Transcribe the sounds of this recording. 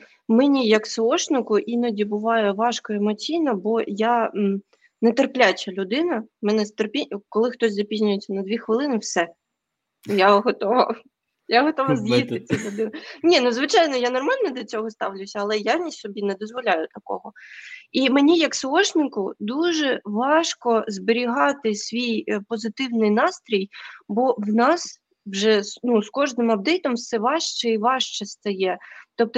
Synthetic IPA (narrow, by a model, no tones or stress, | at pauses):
mɛnʲijɐksɔɔʃnɪkʊʔinɐdʲibʊʋɑjɛʋɑʃkɔemɔt͡sʲijnɐbɔja | nɛt̪erplʲat͡ʃʲɐlʲʊd̪ɪnɐmɛnɛzt̪erpʲikɔlˠɪxt̪ɔsʲzɐpʲizʲnʲʊjet͡sʲːɐnɐd̪ʋʲixʋɪlˠɪnɪwsɛ | jaɦɔt̪ɔʋɐ̰ | jaɦɔt̪ɔʋɐzjist̪ɪt͡sʲilʲʊd̪ɪnɪnʲinuzʋɪt͡ʃɑjnɔjanɔrmɑlʲnɔd̪lʲɔt͡sʲɔɦɔst̪ɑwlʲʊsʲɐːlˠɛjanʲisʲsɔbʲinɛd̪ɔzʋɔlʲajʊt̪ɐkɔ̰ɦɔimenʲijɐksɔɔʃnɪkʊd̪uʒɛʋɑʃkɔzbeɾʲiɦɑt̪ɪsʲʋʲijpɔzɪt̪ɪwnɪjnɑst̪ɾʲijbɔwnɑs | wʒɛsnuskɔʒnɪmɐbd̪ɪt̪ɔmsɛʋɑʃt͡ʃɛiʋɑʃt͡ʃɛst̪ɐjɛt̪ɔp̚t̪ɔ